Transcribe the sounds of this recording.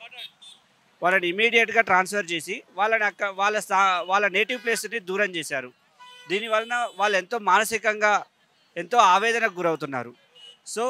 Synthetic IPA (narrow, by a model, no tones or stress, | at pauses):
ʋaːlɐniimːiːɽijɐʈɡaːʈɾaːnspʰɐɾt͡ʃe̞ːsiʋaːlːɐnɐɐaːlːɐsaʋaːɭːɐne̞ːʈiʋple̞ːsnid̪uːɾɐmt͡ʃeːsaːɾu | d̪iːniʋɐlːɐnɐʋaːɭːue̞nt̪o̞ːmaːnɐsikɐŋɡaː | e̞nt̪o̞ːaːʋɛːd̪ɐnɐɡuɾɐwut̪unːa̰ːɾu | so̞ː